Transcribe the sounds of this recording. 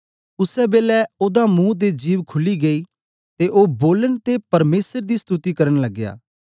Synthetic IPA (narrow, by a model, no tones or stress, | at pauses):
ʊsɛːbeːlɛoːd̪aːmũːd̪̬eːd͡ʒiːʋkʰʊliːɡɐiː | t̪eʔoːboːlənt̪epɐɾmeːsəɾd̪iːst̪ut̪iːkɐɾənləɡːja̰ː